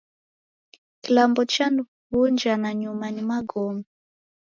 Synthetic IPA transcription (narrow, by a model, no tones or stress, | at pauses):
kilambɔt͡ʃanu | vund͡ʒanaɲumanimaɡɔma